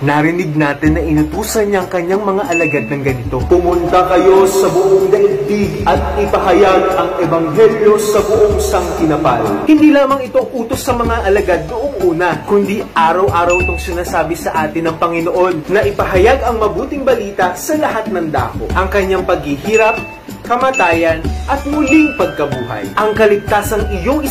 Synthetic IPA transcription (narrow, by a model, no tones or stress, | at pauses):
nɐɾɪnɪɡ̚naːt̪ɪnːɐʔɪnʊt̪uːsɐnɲɐɐŋkɐɲːaŋmɐŋaʔɐlɐɡad̪nɐŋɡɐnɪt̪o̞pʊmʊnt̪ɐkɐjo̞sɐbʊʔoŋd̪ɐʔɪd̪iɡɐt̪̚ɪpɐɦɐjaɡ̚ɐŋɛbɐŋɦɛljo̞sɐbʊʔoŋsɐŋt̪ɪnɐpalhɪnd̪iːlaːmɐŋɪt̪o̞ʔuːt̪o̞sːɐmɐŋaʔɐlɐɡad̪ːʊʔoŋʔuːnɐkʊnd̪iʔaːɾɐwʔaːɾɐwʔɪt̪oŋsɪnaːsaːbɪsɐʔaːt̪ɪnɐŋpɐŋɪno̞ʔo̞nːɐʔɪpɐɦɐjaɡɐŋmɐbuːt̪ɪŋbɐliːt̪ɐsɐlɐhat̪̚nɐŋd̪a̰ːko̰ʔɐŋkɐɲaŋpɐɡ̚hihiːɾɐp̚ | kɐmɐːt̪aːjɐnʔɐt̪̚mʊlɪŋpɐɡ̚kɐbuːɦɐ̰jʔɐŋkɐlɪɡ̚t̪asɐŋɪjo̞ŋɪ